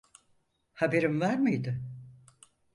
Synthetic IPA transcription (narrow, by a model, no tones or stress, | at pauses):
habeɾimvæɾmijd̪ɪ